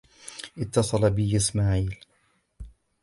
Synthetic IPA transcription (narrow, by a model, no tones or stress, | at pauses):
ʔɪt̪ːɑsˤɑlabɪjɪsmaːʕiːl